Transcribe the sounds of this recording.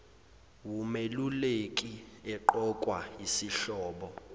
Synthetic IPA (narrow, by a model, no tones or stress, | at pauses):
wumelulekʼiɛǃɔkʼwaisiɬɔːɓɔ